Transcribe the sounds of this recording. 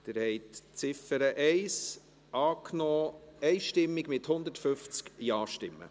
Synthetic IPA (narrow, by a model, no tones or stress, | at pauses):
d̥ɪɾhɛɪtt͡sɪfəɾəʔɛɪs | ʔɑːknɔːɛɪʃtɪmːɪɡmɪthʊnd̪ətfʏft͡skjɑːʃtɪmːə̰